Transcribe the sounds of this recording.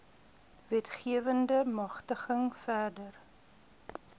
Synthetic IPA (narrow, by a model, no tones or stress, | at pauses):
vɛtχiəvəndəmɐχtəχəŋfærdər